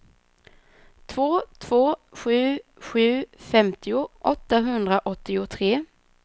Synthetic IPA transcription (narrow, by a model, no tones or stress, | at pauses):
t̪ʰvoːt̪ʰv̥oːɧʉ̟ːɧʉ̟ːfɛmt̪ɪʊʔɔt̪ːaɦɵnd̪ɾaʔɔt̪ːɪʊt̪ʰɾeː